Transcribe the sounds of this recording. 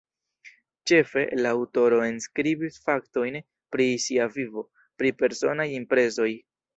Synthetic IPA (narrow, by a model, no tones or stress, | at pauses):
t͡ʃe̞fe̞̰laːwto̞ɾo̞e̞nskɾibisfakto̞jn | pɾisiavivo̞ | pɾipe̞ɾso̞najimpɾe̞zo̞j